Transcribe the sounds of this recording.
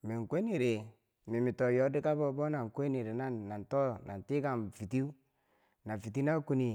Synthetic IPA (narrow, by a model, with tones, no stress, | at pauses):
mi˨ŋ˨kʷe˦ni˨ɾe˨ | mi˨mi˨to˨jɔ˦di˦ka˦bo˦bo˦na˨ŋ˨kʷe˦ni˨ɾe˨na˦nːa˨ntɔ˦˨na̰˨n˨ti˦ka˨nfi˨ti˦ | na˨fi˨t̬i˦na˦ku˦ni˨